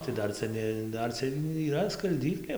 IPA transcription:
tɐɪ ˈdɐr ˈt͡sʲɛ nʲɛ ˈdɐr t͡sʲɛ iːˈrɐ skɐlʲˈdʲiːklʲeː

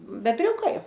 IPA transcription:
bʲɛbʲˈrʲʊkɐɪ

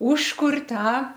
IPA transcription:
ˈuːʃkʊrʲ ˈtɑː

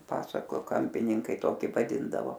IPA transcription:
ˈpɑːsɐkoː ˈkɐmʲpʲɪnʲɪŋkɐɪ ˈtoːkʲɪ ʋɐˈdʲɪndɐʋoː

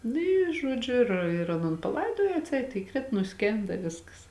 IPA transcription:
ˈnʊ ˈiː ˈʒuɔd͡ʒʲʊ ɪr ɪr ˈɑːˌnoːn pɐˈlˠɐɪdoːjoː ɐtʲˈsʲɛɪt iːˈkrʲɪt nʊˈsʲkʲeːndɐ ɪ ˈʋʲɪskɐs

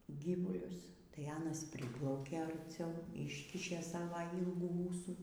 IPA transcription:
ˈɡʲiːʋʊlʲʊs tɐɪ ˈɑːnɐs ˈpʲrʲɪplˠɐʊkʲeː ɐrʲˈt͡sʲɛʊ ˈɪʃʲkʲɪʃʲeː ˈsɑːʋɐ ˈiːlˠɡuː ˈuːsuː

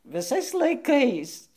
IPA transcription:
ʋʲɪˈsɐɪs lˠɐɪˈkɐɪs

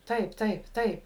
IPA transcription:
ˈtɐɪp ˈtɐɪp ˈtɐɪp

